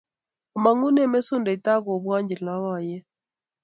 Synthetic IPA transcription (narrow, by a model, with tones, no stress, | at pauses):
ɔ˨ma˨ŋu˦nɛ˦me˦sʊ˦nda˨i˨ta˦ko˨bwa˦ɲd͡ʒi˨lna˦wɔ˨jɛ˦